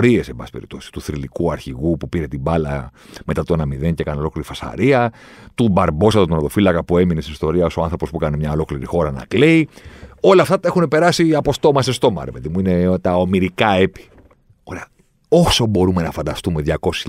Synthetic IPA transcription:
ɾie̞sembɐsi̥peɾḭpt̪osi̥st̪uθɾilikuɐɾçiɣupupiɾe̞t̪ibɐlɐ̰ | me̞t̪ɐt̪onɐmiðenceekɐneo̞lo̞kliɾifɐsɐ̰ɾiɐ | t̪ubɐɾbo̞sɐt̪ot̪onɐðo̞filɐkɐpue̞minest̪inist̪o̞ɾiɐo̞soɐnθɾo̞pospuekɐnemɲɐo̞lo̞kliɾixo̞ɾɐnɐ̰kleio̞lɐːft̪ɐt̪ɐexune̞pe̞ɾɐsiɐpo̞st̪o̞mɐsest̪o̞mɐ̰ɾvet̪imuinet̪ɐo̞miɾikɐe̞pi̥ | oɾeɐ | o̞so̞bo̞ɾume̞nɐfɐnd̪ɐst̪ume̞ðʝɐko̞si̥

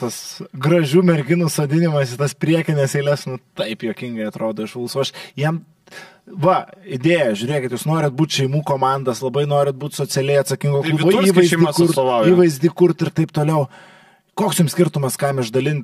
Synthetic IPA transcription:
t̪ɐsɡɾɐʒʲuːmʲɛɾʲɡʲɪnusoːd̪ʲɪnʲɪmɐsɪt̪ɐspʲɾʲiɛkʲɪnʲɛseɪlʲɛsnʊt̪ɐɪpjoːkʲɪŋɡɐɪɐt̪ɾoːd̪oːɪʃʋɐlˠsuːɐʃjiɛm | ʋɐɪd̪ʲeːjɛʒʲʊɾʲeːkʲɪt̪juːsnoːɾʲɪt̪̚buːt̪ʲʃʲɛɪmuːkoːmɑnd̪ɐslˠɐbɐɪnoːɾʲɪt̪̚buːt̪ʲsoːt͡s̪ʲɪɛlʲɛɪɐt̪sɐkʲɪŋɡoːllˠuboːiːʋɐɪzʲikʊrt̪ɐlˠɐiːʋɐɪzʲd̪ʲiːkʊrt̪ɪrt̪ɐɪp̚t̪oːlʲɛʊ | koːksjʊmsʲkʲɪrt̪ʊmɐskɑmɪʒd̪ɐlʲɪnʲ

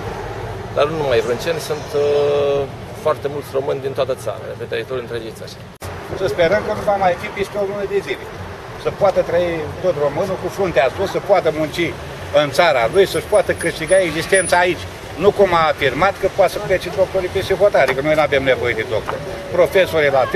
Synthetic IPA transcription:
d̪arnunumajɾɨnt͡ʃent̪sunt̪ | foart̪e̞mult̪sʲro̞mɨnʲd̪int̪oat̪ət̪sa̰ɾa̰efent̪ɾəit̪oɾʲɨnt̪ɾed͡ʒit̪saʃḁ | səspe̞ɾəmkənuvamajfipist̪eolunəd̪e̞zile | səpoat̪ət̪ɾəit̪ot̪ro̞mɨnukufunt̪easusəpoat̪əmunt͡ʃi | ɨnt̪saɾalujsəʃpoat̪əkɨʃt̪iɡae̞ɡzist̪e̞nt̪saːit͡ʃʲ | nukumaːfirmat̪kəpoat̪səput̪at͡ʃit̪ɾop̪oɾipeʃiɦot̪aɾad̪ikəno̞jnuavemne̞vo̞je̞d̪ed̪ok̚t̪o̰rpɾo̞fe̞soɾilat̪

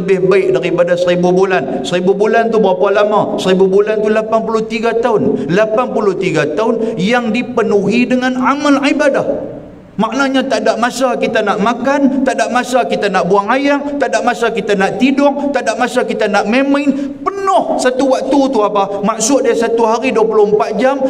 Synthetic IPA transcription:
ləbɪhbaɪk̚daɾipadasəɾibubulan | səɾibubulant̪ubəɾapalamasəɾibubulant̪ulapanpulʊht̪iɡat̪aʊnlapanpulʊht̪iɡat̪aʊnjaŋdipənuɦidəŋãnamalʕibadah | maʔnaɲat̪aʔdaʔmasakit̪anaʔmakant̪aʔdaʔmasakit̪anaʔbuaŋajaŋt̪aʔdaʔmasakit̪anaʔt̪idʊŋt̪aʔdaʔmasakit̪anaʔmemanpənʊhsat̪uwak̚t̪ut̪uapamaʔsʊdiasat̪uɦaɾiduapulʊmpat̪̚d͡ʒam

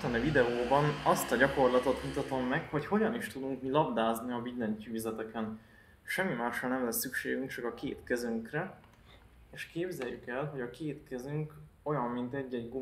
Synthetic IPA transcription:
t̪ɒnivid̪ɛoːbɒnɒst̪ɒɟɒko̞rlɒt̪o̞t̪mut̪ɒt̪o̞mːɛkho̞cho̞ɟɒniʃt̪ud̪uŋkmilɒb̚d̪aːzniɒbid̪lɛɲcyːzɛt̪ɛkɛn | ʃɛmːimaːʃɒlnɛmlɛsːykʃeːɡyŋkt͡ʃɒkɒkeːt̪kɛzyŋkrɛ | eːʃkeːbzɛjːykɛlɦo̞ɟɒkeːt̪kɛzyŋk | o̞jɒmːint̪ɛɟːɛɟɡo

